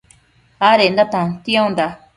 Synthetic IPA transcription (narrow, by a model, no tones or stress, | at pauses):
aɾend̪at̪ãnt̪ĩõnd̪a